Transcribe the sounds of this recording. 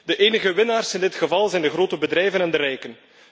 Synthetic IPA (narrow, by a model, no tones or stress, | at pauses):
d̥əʔeːnəɣəʋɪnaːrsɪndɪtxəvɑlˠzɛjndəxɾoːtəbədɾɛjvənɛndəɾɛjkən